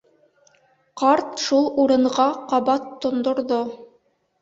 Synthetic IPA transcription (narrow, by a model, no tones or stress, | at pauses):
qɑɾt̪ʃulˠuɾɤ̆ɴʁɑqɑβɑt̪ːŏnd̪ŏɾðo